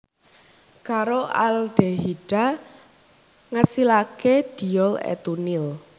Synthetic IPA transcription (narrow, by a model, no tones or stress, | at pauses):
kaɾoalɖ̥eɦiɖ̥a | ŋasilaked̪̥i̤ɔlɛ̰t̪unil